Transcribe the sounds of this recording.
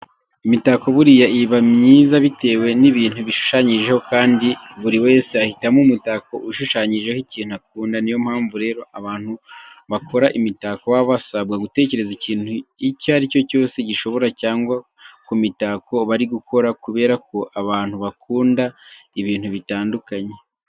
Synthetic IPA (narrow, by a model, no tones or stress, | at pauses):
imitako̞βuɾijaʔiβamɲiːzaβite̞ːwe̞niβiːnhuβiʃu̥ʃaɲiʒe̞ho̞kaːndiβuɾiwe̞ːseahitamumutako̞ʔuʃuʃaɲiʒe̞hiciːn̥uak̚uːndanijo̞m̥haːɱvuɾe̞ːɾo̞aβaːn̥huβakʰo̞ɾaʔimitakowaβasabɡaɡute̞ːce̞ɾe̞ziciːn̥uicaɾico̞co̞ːse̞ɟiʃo̞βo̞ɾacaːŋɡwa | kumitako̞βaɾiɡuko̞ɾakuβe̞ːɾako̞ʔaβaːn̥huβakuːndaiβiːn̥huβitaːndukaɲe̞